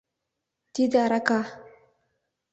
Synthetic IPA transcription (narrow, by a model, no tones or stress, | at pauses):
t̪id̪aɾaka